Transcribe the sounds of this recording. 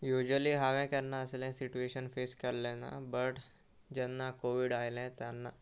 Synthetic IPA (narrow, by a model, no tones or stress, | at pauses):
jud͡ʑəliɦaʋɛ̃kjanːaəslɛ̃siʈueɕənfeskəɾlɛna̰bəʈ | d͡ʑɛnːakoʋiɽajlɛ̃t̪janːa